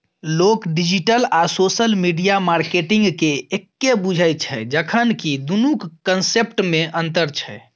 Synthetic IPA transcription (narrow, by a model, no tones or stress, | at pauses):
lokɖid͡ʒiʈəlasosəlmiɖijamaɾkeʈiŋɡkeekːebud͡ʒʱajt͡ʃʰɛd͡ʒəkʰənkid̪unukːənsep̚ʈmeʔənt̪əɾt͡ʃʰɛ̰